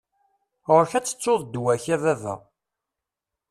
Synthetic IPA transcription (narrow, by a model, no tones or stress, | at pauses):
ʁʊɾçæt͡sːə̥t͡sːoðˤd̪wæçæðævæ̰